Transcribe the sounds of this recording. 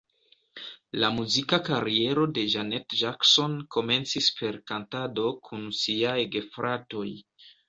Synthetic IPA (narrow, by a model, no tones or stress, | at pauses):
lamuzikakaɾie̞ɾo̞de̞ʒanetʒakso̞nkʰo̞me̞nt͡sispʰe̞ɾkantado̞kʰunsiajɡefɾato̞j